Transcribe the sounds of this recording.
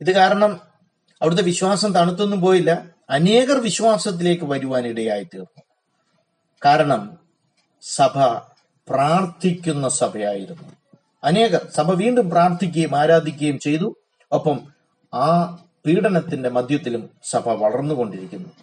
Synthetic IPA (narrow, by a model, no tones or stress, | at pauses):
iðɨkaːɾɐɳɐm | ɐʋiɽut̪̬ːe̞ʋiɕwaːsɐmt̪ɐɳut̪̬ːunːup̬o̞ːjilːɐː | ne̞ːɣɐrʋiɕʋaːsɐt̪̬ːile̞ːkːɨʋɐɾuʋaːniɽejaːjit̪ḭːrnːu | kaːɾɐɳɐm | sɐbʱɐ | praːrt̪ʰikʲːunːɐsɐbʱɐja̰ːjiɾunːu | ɐne̞ːɣɐrsɐbʱɐʋiːɳɖumpraːrt̪ʰik̬ʲːɐjumaːɾaːd̪ʱikʲːɐjumt͡ɕe̞jt̪u | ɐpːɐm | aː | piːɽɐnɐt̪ːinde̞mɐd̪ʱjɐt̪̬ːilumsɐbʱɐʋɐɭɐrnːuko̞ɳɖiɾikʲːunːu